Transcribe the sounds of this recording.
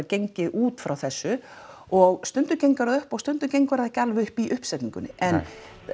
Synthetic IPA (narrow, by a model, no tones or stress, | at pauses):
ɾcejɲcɪʔuːt̪fɾawθɛsːʏ | ɔɣst̪ʏnt̪ʏɾcejŋkaɾaðʏhpɔɣst̪ʏnt̪ʏɾcejɲŋkvaɾaðɛhcalvʏhpiʔʏhpsɛt̪iŋkʏ̰nːɪʔɛn